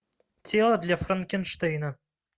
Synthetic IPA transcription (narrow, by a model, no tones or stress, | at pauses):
tʰʲelˠad̪lʲafrɨnkʲɪnʂt̪ejna